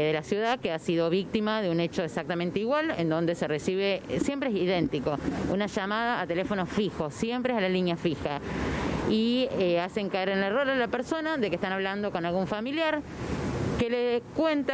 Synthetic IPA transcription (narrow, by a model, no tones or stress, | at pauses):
ðelasjuðakeasiðo̞β̞ik̚t̪imaðeunet͡ʃo̞esak̚t̪ament̪eiɣwalend̪o̞nd̪eseresiβesje̞mpɾeesiðent̪iko̞unaʒamaðaːt̪elefo̞nofixo̞sje̞mpɾeesalaliɲjafixa | ieaseŋkaeɾenleroɾalapeɾso̞naðe̞k̬ehst̪anaβland̪o̞ko̞nalɣuɱfamiljaɾ | kelekwe̞nt̪a